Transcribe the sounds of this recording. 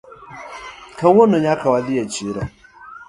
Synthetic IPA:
kʰãwʊ̃nːʊ̃ɲakʰawalɪat͡ɕʰiɾa

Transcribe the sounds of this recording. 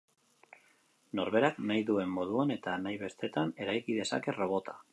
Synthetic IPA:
no̞ɾβe̞ɾaknajðue̞mːo̞ð̞uane̞t̪anajβe̞st̪e̞t̪ane̞ɾajkið̞e̞sa̰ke̞ro̞β̞o̞t̪ʰḁ

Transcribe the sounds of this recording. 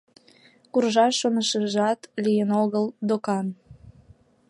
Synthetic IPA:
kurʒɑʃonəʃəʒɑt̪lijənoɣəld̪okɑn

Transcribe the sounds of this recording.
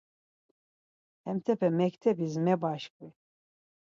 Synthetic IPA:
ɛmt̪ʰɛpʰɛmɛkʰt̪ʰɛbizmɛbaʃkʼwi

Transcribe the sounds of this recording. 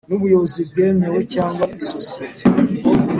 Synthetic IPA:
nuβujo̞βozib̚ɡe̞ːmewecaːŋɡwaʔisosijetʰe

